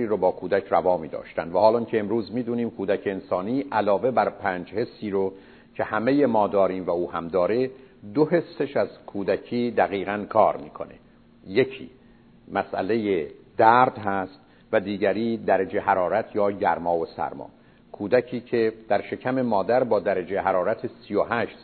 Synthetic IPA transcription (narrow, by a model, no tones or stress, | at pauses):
iːɾobɒːkʰuːd̪æcʰrævɒːmiːd̪ɒ̰ːʃt̪ænd̪væhɒːlɒŋcʰeːmɾuːzmiːd̪uːniːmkʰuːd̪æcʰeːnsɒːniːʔælɒːve̞bæɾpʰæːnd͡ʒhe̞sːiːɾo | cʰe̞hæmeje̞mɒːd̪ɒːɾiːmvæuːhæmd̪ɒːɾe̞d̪ohe̞sːe̞ʃæzkʰuːd̪æcʰiːd̪æɣiːɣænkʰɒːɾmḭːkʰo̞̰ne̞̰ | je̞cʰḭː | mæsʔæ̰le̞jed̪̥æɾd̪hæst̪ | væd̪iːɟæɾiːd̪æɾed͡ʒe̞ɦæɾɒːɾæt̪ʰjɒːɟæ̰ɾmɒːvosæ̰ɾmɒ̰ː | kʰuːd̪æcʰiːcʰe̞d̪̥æɾʃe̞cʰæme̞mɒːd̪æɾbɒːd̪æɾed͡ʒeɦæɾɒːɾæt̪ʰesijoɦæʃs